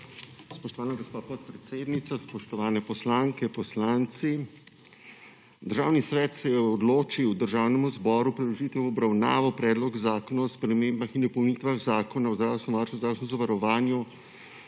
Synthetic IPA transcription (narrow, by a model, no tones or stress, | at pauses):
spɔʃt̪ɔʋaːnaɡɔspaːpɔt̪̚pɾɛt̪seːd̪nit̪saspɔʃt̪ɔʋaːnɛpɔslaːŋkɛpɔslaːnt̪si | d̪əɾʒaːwnisʋɛːt̪sɛjɛɔd̪loːt͡ʃiwd̪əɾʒaːwnɛmuzbɔːɾupɾilɔʒiːt̪ʋɛwɔbɾawna̰ːʋɔpɾɛːd̪lɔɡzaːkɔnaɔspɾɛmeːmbaxind̪ɔpɔwnit̪ʋaɣzaːkɔnaɔzd̪ɾaːwst̪nɔmʋaɾsnɔzd̪ɾawst̪nɔ̃zɔʋaɾɔʋaːnju